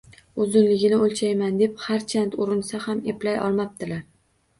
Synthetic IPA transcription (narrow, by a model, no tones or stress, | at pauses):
ʊzɪnlɪɡʲɪnɪolˠt͡ʃʰajmand̪e̞phaɾt͡ʃʰant̪ʊɾɪnsahameplajɒ̰lˠmap̚d̪̥ɪlaɾ